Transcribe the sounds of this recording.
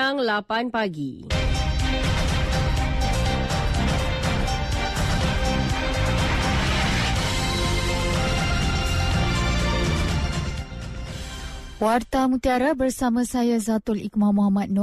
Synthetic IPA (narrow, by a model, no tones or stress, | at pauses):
aŋlapanpaɡi | wart̪amũt̪iaɾabərsamãsajazat̪ʊlḭkmãmoɦamat̪̚nu